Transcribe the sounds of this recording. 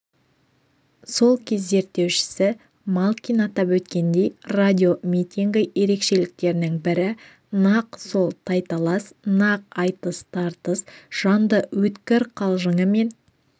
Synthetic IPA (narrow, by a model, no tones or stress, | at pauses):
so̞lˠkʲʰezːe̞ɾt̪ːe̞wʃɪ̥sɪ | malˠkʲinɑt̪ɑpwɵt̪kʲe̞nd̪e̞jrad̪ʲio̞mʲit̪ʲiŋɡʲɪje̞ɾe̞kʃe̞lɪk̚t̪e̞ɾɪnɪŋbɪɾɪ | nɑqso̞lˠt̪ʰɑjt̪ɑlˠɑsnɑq̚ɑjt̪əst̪ʰɑɾt̪əsʒ̥ɑnd̪əwɵt̪kʲɪɾqʰɑlˠʒəɴəme̞n